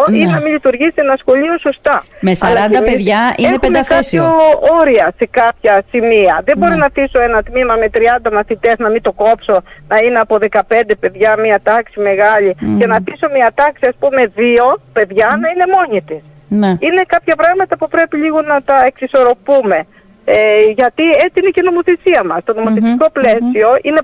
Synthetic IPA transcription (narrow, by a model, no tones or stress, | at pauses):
oinɐmiʎit̪uɾʝist̪enɐsxo̞ʎiosost̪ɐmesɐlɐnd̪ɐmeðʝɐienepemd̪eɐθkisiooɾiɐse̞kɐpçɐsimiɐðe̞bo̞ɾinɐθiso̞e̞nɐt̪mimɐme̞t̪ɾiɐnd̪ɐmɐθit̪e̞znɐmint̪o̞ko̞pso̞nɐineɐpo̞ðe̞kɐpe̞nd̪e̞pe̞ðʝɐmiɐt̪ɐksime̞ɣɐʎicenɐθiso̞miɐt̪ɐksiɐspume̞ðio̞pe̞ðʝɐnɐine̞mo̞ɲit̪is | nine̞kɐpçɐpɾɐɣmɐt̪ɐpupɾe̞piʎiɣonɐt̪ɐe̞ksiso̞ɾo̞pume̞ | ʝɐt̪ie̞t͡siineceno̞mo̞θe̞siɐmɐst̪o̞no̞moθesiko̞ple̞sio̞ʔine̞